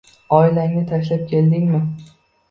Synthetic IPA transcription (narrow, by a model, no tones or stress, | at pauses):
ɒɪlaŋnɪt̪ʰaʃlap̚kʲʰe̞ld̪ɪŋʲmɪ